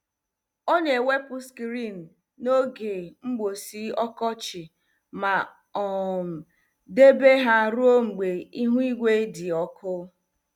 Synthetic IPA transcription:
o˦ɲe˨we˦pʊ˦skɾi˦˨n̩˨ | no˦ɡe˨ŋ͡m̩˦ɡ͡bo˨si˦ɔ˦kɔ˦t͡ʃɪ˨ | ma˨ | ɔ˨m̩˨ | de˦be˦ɦa˦ɾu˦o˦ŋ͡m̩˨ɡ͡be˨i˦ɦu˦i˦ɡʷe˦dɪ˨ɔ˦kʰʊ˦

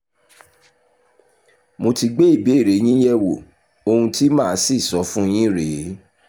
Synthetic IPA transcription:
mo˧ti˧ɡ͡be˦i˦˨be˨˦i˦˨ɾe˨˦j̃ĩ˦jɛ˦wo̰˨ | o˧hũ˧ti˦mãː˦˨˦si˦˨sɔ˨˦fũ˦j̃ĩ˦ɾe˨˦

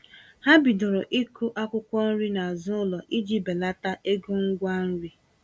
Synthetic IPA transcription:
ha˦bi˨dʊ˨ɾʊ˨ʔi˦ku˦ʔa˦kʷʊ˦kʷɔ˦n̩˦ɾi˦na˨a˨zʊ˦ʊ˦lɔ˨ʔi˦d͡ʒi˦be˨la˦ta˦ʔe˦ɡu˦ŋ̩˦ɡʷa˦n̩˦ɾi˦

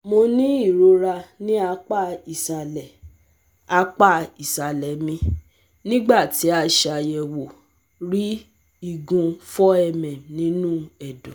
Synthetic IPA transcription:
mo˧nĩ˦i˦˨ɾo˧ɾa˧nĩ˦a˧k͡pa˦˨i˨sa˨lɛ˨ | a˧k͡pa˦˨i˨sa˨lɛ˨mĩ˧ | nĩ˦ɡ͡ba˦˨ti˨˦a˧ʃa˨˧jɛ˨wo˨ | ɾi˦ | i˨ɡũ˧fɔ˦ɛ˧˨mɛ̃˨nĩ˨˦nũ˦ɛ˨dũ˨

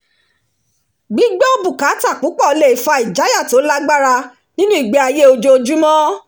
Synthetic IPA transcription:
ɡ͡bi˨˦ɡ͡bɛ˦o˦bu˦˨ka˨˦ta˦˨k͡pu˨˦k͡pɔ˦˨˧le˨i˨˦fa˧i˨d͡ʒa˨˦ja˦˨to˨˦la˦ɡ͡ba˦ɾa˧ | nĩ˦nũ˦i˦˨ɡ͡be˨˦a˧je˦o˧d͡ʒo˧o˧d͡ʒu˦mɔ̃˦

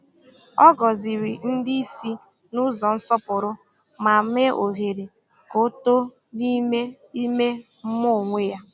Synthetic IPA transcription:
ɔ˦ɡɔ˨zi˨ɾi˨n̩˦dɪ˦i˦si˦ | nʊ˦zɔ˨n̩˦sɔ˦pʊ˨ɾʊ˦ | ma˨me˦ʔo˨ɦe˨ɾe˨ | ko˦to˦ | ni˦me˦ | i˦me˦ | m̩˦mo˦˨ŋʷe˦ja˦

